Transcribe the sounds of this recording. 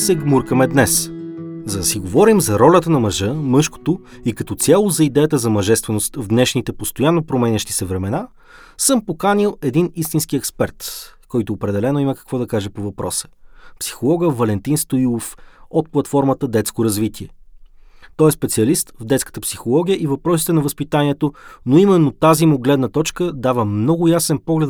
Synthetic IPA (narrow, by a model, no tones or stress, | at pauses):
sɛɡmuɾkəmɛd̪nɛszɐd̪ɐsiɡovɔɾimzɐɾɔlʲət̪ənɐmɐʒɤmɤʃko̥t̪o | ikɐt̪ɔt̪sʲalˠozɐid̪ɛjət̪əzɐmɐʒɛst̪vɛnost̪vd̪nɛʃnit̪ɛpost̪ojanːopɾomɛnʲəʃt̪i̥sɛvɾɛmɛna | səmpokanilˠɛd̪inist̪inskiɛkspɛɾt̪kɔjt̪ʊːpɾɛd̪ɛlɛnoimɐkɐ̥kvɔd̪ɐkaʒɛpovɐpɾɔsə̥psi̥xolˠɔɡəvɐlɛnt̪inst̪oilˠofot̪̚plˠɐt̪fɔɾmət̪əd̪ɛt̪skoɾɐzvit̪iɛ | t̪ɔɛspɛt̪siɐlist̪vd̪ɛt̪skə̥t̪əpsixolˠɔɡʲijəʔivɐpɾɔsi̥t̪ɛnɐvəspit̪aniɛt̪onoimɛnːot̪azimuɡlɛd̪nət̪ɔt͡ʃkəd̪avəmnɔɡʊjasɛnpɔɡlɛt̪